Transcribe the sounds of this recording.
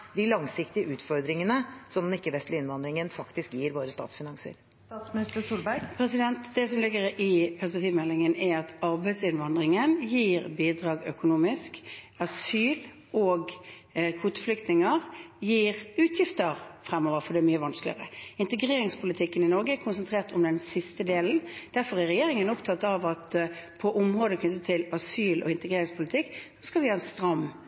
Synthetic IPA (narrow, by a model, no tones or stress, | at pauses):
d̪ɪlɑŋsɪkt̪ɪəʔʉːt̪fɔɾd̪ɾɪŋənəsɔmd̪ɪkːəʋɛst̪lɪɪnʋɑnd̪ɾɪŋənfɑkt̪ɪskjiːɾʋoːɾəst̪ɑ̰ːt̪sfɪnɑŋsə̰ɾ | t̪ɑt̪smɪnɪst̪əst̪uːlbæɾpʰɾɛsɪd̪ɛnt̪d̪ɛsɔmlɪɡəɾɪpʰæspɛk̚t̪iːʋmɛlːɪŋənæɑt̪ɑɾbæɪsɪnʋɑnd̪ʁɪŋənjiːʁbiːd̪ʁɑːɡœkʊnuːmɪsk | ɑsyːl | ɔːɡ | kʰuːt̪ə̥flʏkt̪nɪŋəʁjiːʁʉːt̪ʰjɪft̪əʁfɾɛmːoːʋəɾfɔd̪ɛɛmyːəʋɑnsklɪ̰əʁəɪnt̪əɡʁeːɾɪŋspʰʊlɪt̪ʰɪkːənɪnɔɾɡəækʰʊnsɛnt̪ʰʁeːʁt̪ɔmd̪ɛnsɪst̪əd̪eːln̩d̪̥æɾfɔʁæʁɛjeːʁɪŋənʊpt̪ʰɑt̪ːɑʋɑt̪pʰɔʔʊmʁoːd̪əkʰnʏt̪ːət̪ʰːɪlɑsyːlʔɔ̰ɪnt̪əɡʁeːɾɪŋspʰʊlɪt̪ʰɪkːsoskɑlʋɪɑɛnst̪ʁɑm